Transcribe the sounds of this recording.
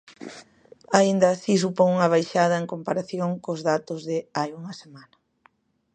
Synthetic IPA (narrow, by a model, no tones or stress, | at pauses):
aind̪ɐːsis̬upoŋuŋɐβ̞ajʃað̞ɐeŋkompaɾaθjoŋkozðat̪ʊzðɪajuŋɐsemanɐ